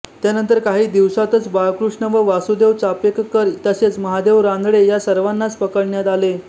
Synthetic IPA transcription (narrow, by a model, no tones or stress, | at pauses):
t̪janənt̪əɾkaɦiːd̪iʋsat̪ət͡sbakɾuʂɳəʋəʋasud̪eʋt͡sapekkːəɾt̪əset͡sməɦad̪eʋɾãnd̪ɽejasəɾʋanːat͡spəkəɽɳjat̪ale